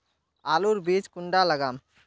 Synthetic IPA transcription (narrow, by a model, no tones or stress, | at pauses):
aluɾbid͡ʒkuɳɖaləɡam